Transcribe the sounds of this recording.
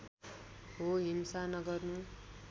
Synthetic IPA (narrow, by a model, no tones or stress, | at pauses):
ɦoɦinsanʌɡʌrnu